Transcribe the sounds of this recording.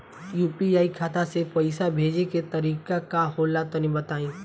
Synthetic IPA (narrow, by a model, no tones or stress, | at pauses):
juːpiaːikʰaːt̪asepɐɪsabʱeːd͡ʒeket̪ɐɾiːkakaɦoːlat̪onĩbɐt̪aːĩː